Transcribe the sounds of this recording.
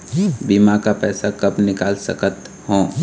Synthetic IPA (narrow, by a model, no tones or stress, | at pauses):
biːmakapɛːsakɐpnɪkaːlsə̰kət̪ | hõː